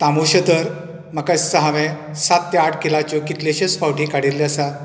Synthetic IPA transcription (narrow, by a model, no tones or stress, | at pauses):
t̪amuɕəd̪əɾ | məkast͡səɦaʋẽ | sat̪ːeaʈʰkilat͡ɕokit̪leɕesfawʈĩkaɽilːjasa